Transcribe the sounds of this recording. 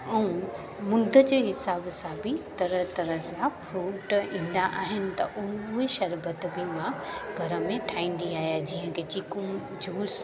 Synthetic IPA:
ɛũ | mʊ̃d̪ʱə̆d͡ʑeːɦɪsaːbsãbɪt̪ɐɾəɦt̪ɐɾəsãfʰɾuːʈĩːn̆d̪aʔaːɦɪnɪ̆t̪ɐʔʊɦueʃɐɾbət̪bɪmãɡʱɐɾəmẽʈʰaːĩːn̆d̪iaːɦijad͡ʑiɦə̃kʰet͡ɕikʊm | d͡ʑʱuːɾs

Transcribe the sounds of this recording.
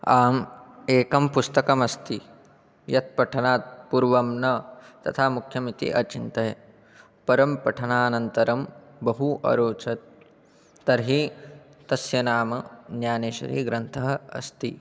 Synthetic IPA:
aːmeːkɐmpust̪ɐkɐmɐst̪i | jɐt̪̚pɐʈʰɐnaːt̪̚puːɾʋɐmnɐt̪ɐt̪ʰaːmukʰjɐmit̪ḭʔɐt͡ʃint̪ɐjɐ | pɐɾɐmpɐʈʰɐnaːnɐnt̪ɐɾɐmbɐɦuʔɐ̰ɾoːt͡ʃɐt̪̚ː | ɐɾɦi | t̪ɐsjɐnaːmɐnjaːneːʃɐ̰ɾḭɡɾɐnt̪ʰɐɦɐɐ̰st̪i

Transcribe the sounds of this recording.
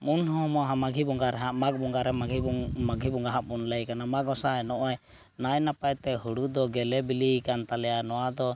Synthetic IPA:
munɦɔ̃mɔɦamaɡʱibɔŋɡaɾɛɦaʔmaɡ̚bɔŋɡaɾɛmaɡʱimaɡʱibɔŋɡaɦaʔmunləjkanamaɡɔsaɛnɔʔɔj | najnapajt̪ɛɦuɽud̪ɔɡɛlɛbilikant̪alɛjanɔwad̪ɔ

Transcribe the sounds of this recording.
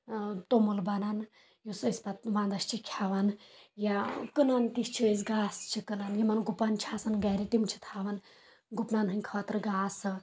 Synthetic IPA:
t̪omulbɐnɐn | jusɨispɐt̪̚ʋãːnd̪ɐst͡ʃʰikʲʰjaʋɐnjakɨnɐnt̪ist͡ʃʰiisɡaːst͡ʃʰikɨnɐnjimɐnɡupɐnt͡ʃʰaːsɐnɡɛːɾit̪imt͡ʃʰi̥t̪ʰaːʋɐn | ɡupnɐnɦɨnʲkʰɐːt̪ɾɨɡaːsɨ

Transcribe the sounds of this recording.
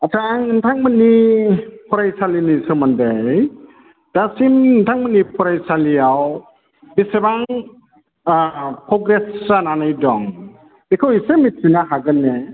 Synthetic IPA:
atʰaŋɯntʰaŋməni | pʰɔɾajsalinisɯmandej | d̥asimntʰaŋmənipʰɔɾajsaliaw | bisebaŋ | pʰɾɔɡɾesːananɯjdɔŋ | ekʰɯwisemitʰinaɦaɡɯnːe

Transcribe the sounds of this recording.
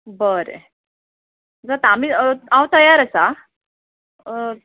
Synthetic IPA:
bəɾḛ | d͡zat̪amiːãwt̪əjaɾəsa

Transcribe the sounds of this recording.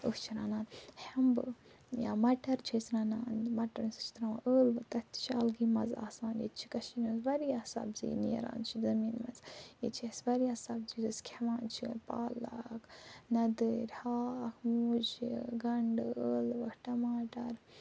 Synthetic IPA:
əht͡ʃʰiɾaːnaːnhɐmbɨ | jaːmɐʈɐɾt͡ʃʰisɾaːnaːnmɐʈɐɾnst͡ʃʰi̥t̪ɾaːma̰ʔəːlbɨt̪ɐt̪t͡ʃʰaːlɡimɐza̰ːsaːnjḭt͡ʃʰi̥kɐʃiːnmɐzbɐɾijaːsa̰bzḭniḛɾa̰ːnt͡ʃʰizɐmiːnmɐnzjḭt͡ʃʰiɐsbɐɾijasaːbzizɨskʲʰemaːnt͡ʃʰipaːla̰kʰnɐd̪ɨɾʲhaːkʰmud͡ʒiɡɐɳɖɨəːlʋɐkʈɐmaːʈɐɾ

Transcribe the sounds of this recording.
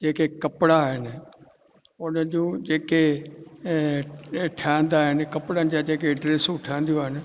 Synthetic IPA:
d͡ʑeːkekɐpɪɽaːɦɪnɪ̆ | ʊnəd͡ʑũːd͡ʑeːke | ʈʰiãnd̪aːɦɪnɪ̆kɐpɽənɪ̆d͡ʑad͡ʑeːkeɖɾeːsũʈʰjãnd̪ijũaːɦɪnɪ̆

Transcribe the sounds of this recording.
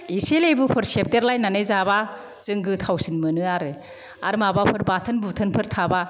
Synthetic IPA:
iselebupʰɯɾsep̚teɾlajnanɯjzaba | z̥ɯŋɡɯtʰawsinmɯnɯaɾɯ | a̰ɾmabapʰɯɾbatʰɐnbutʰənpʰɯɾtʰaba

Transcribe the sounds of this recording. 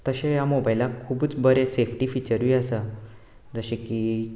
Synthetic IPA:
t̪əɕejamobajlakʰuːbut͡sbəɾesefʈiːfit͡ɕəɾʋiːəsa | d͡zəɕeki

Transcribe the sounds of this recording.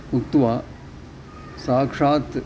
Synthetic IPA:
ukt̪ʋa | saːkʂaːt̪

